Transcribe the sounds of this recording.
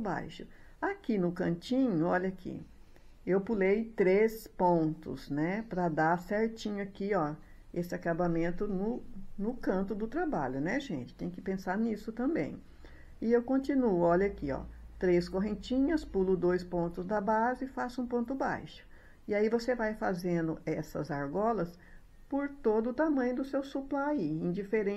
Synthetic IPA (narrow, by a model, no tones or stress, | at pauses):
ba̰jʃʊ | akinʊkɐ̃t͡ʃĩɲʊɔʎɐkʰḭ | ewpulejt̪ɾespõnt̪ʊ̰znɛpɾɐd̪asɛɾt͡ʃĩɲʊakiɔ | esɪakabamẽnt̪ʊnʊnʊkɐ̃nt̪ʊd̪ʊt̪ɾaba̰ʎʊnɛʒẽnt͡ʃɪ̥t̪ẽj̃kɪ̥pẽsaɾnisʊt̪ɐ̃bḛ̃j̃ | ɪewkõnt͡ʃĩnuɔʎɐakiɔ̰t̪ɾeskoɦẽt͡ʃĩɲɐspulʊd̪ojspõnt̪ʊzd̪ɐbazɪɪfasũpõnt̪ʊba̰jʃʊ̥ | ɪaivosevajfazẽnd̪ʊʔɛsɐ̰zaɾɡɔlɐs | poɾt̪od̪ʊːt̪amɐ̃ɲʊd̪ʊsewsuplaiĩd͡ʒifeɾẽ